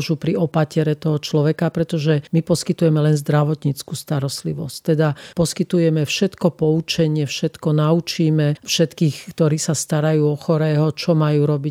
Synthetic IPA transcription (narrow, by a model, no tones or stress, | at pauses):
ʒupɾiɔpacɪɛɾɛt̪ɔɦɔt͡ʃlɔʋɛkapɾɛt̪ɔʒɛmipɔskit̪ujɛmɛlɛnzd̪ɾaʋɔt̪ɲit͡skuːst̪aɾɔst̪liʋɔsct̪ɛd̪apɔskit̪ujɛmɛfʃɛt̪kɔpɔut͡ʃɛɲɪɛfʃɛt̪kɔnaut͡ʃiːmɛfʃɛt̪kiːxkt̪ɔɾiːsast̪aɾajuːɔxɔɾɛːɦɔt͡ʃɔmajuːɾɔbi